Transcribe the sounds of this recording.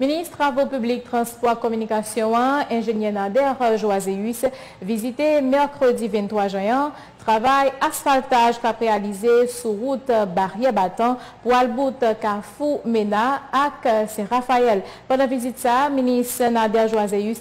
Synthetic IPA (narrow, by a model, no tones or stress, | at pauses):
minist̪ʁavopyblik̚t̪χɑ̃spɔʁkɔmynikasjɔ̃ãɛ̃ʒenɛʁnad̪ɛʁʒwazeys | vizit̪emɛʁkχød̪ivɛ̃nt̪χwaʒɛ̃ɛ̃ | t̪ʁavajasfalt̪aʒkapʁealizesuʁut̪baʁjɛbat̪ɑ̃pualbut̪kafumenaːksɛ̃ʁafaɛlpɑ̃d̪ɑ̃vizit̪saminisnad̪ɛʁʒwazeys